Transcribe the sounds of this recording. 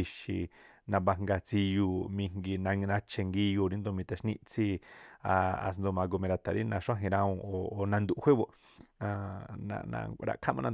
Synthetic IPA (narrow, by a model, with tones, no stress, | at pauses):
i˧ʃi˨nã˧βa˧ŋɡa˧t͡si˧juː˧mĩ˧ŋŋɡi˧nã˧nã˧t͡ʃʰe˧ŋɡi˧ju˧˨ɾi˧˦nd̪o˧mĩ˧t̪a˧ʃnĩ˦˧ʔt͡si˦a˧a̰˧s̬nd̪o˧mã˧ɡo˧mẽ˧ɾa˧t̪ʰa˨ɾi˦nã˧ʂʷã˦ɦĩ˧ɾã˧ũ˧o˨o˧nã˧nd̪u˧˨ʔhʷe˦βo˧ʔ | ã˧nã̰˧nã̰˧ɾa̰˧ʔkʰa˦mã˧nã˧˨